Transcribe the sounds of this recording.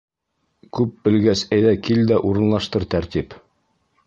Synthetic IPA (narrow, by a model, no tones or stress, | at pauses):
kʉp̚bɘ̆lɡæsæjðækild̪æʔuɾɤ̆nlˠɑʃt̪ɤɾt̪æɾt̪ip